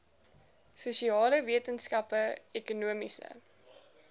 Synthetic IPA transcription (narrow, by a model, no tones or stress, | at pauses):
susiɑːləviətənskɐpəɛkunuəmisə̰